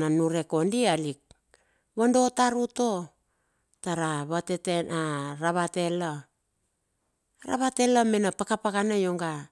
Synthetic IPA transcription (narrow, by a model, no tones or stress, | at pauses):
nanuɾe̞ko̞ndialik̚ | βando̞taɾuto̞ | taɾaβatetenʔaɾaβate̞la | ɾa̰βate̞lamenapakapakanajoŋɡa